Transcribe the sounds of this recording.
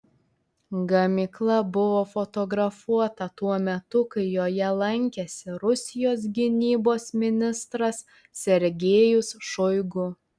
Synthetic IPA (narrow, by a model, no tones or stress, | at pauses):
ɡɐmʲɪklˠɐbʊʋoːfɔt̪ɔɡɾɐfuɔt̪ɐt̪uɔmʲɛt̪ʊkɐɪjoːjɛlˠɐŋʲkʲɛsʲɪɾʊsʲɪjoːs̬ɡʲɪnʲiːboːsmʲɪnʲɪst̪ɾɐsːʲ | ɛɾʲɡʲeːjʊsʃɔɪɡʊ